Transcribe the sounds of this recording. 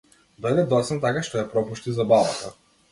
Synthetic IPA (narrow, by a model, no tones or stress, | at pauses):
d̪ɔjd̪ɛd̪ɔt̪sɛnt̪akaʃt̪ɔjapɾɔpuʃt̪izabavat̪a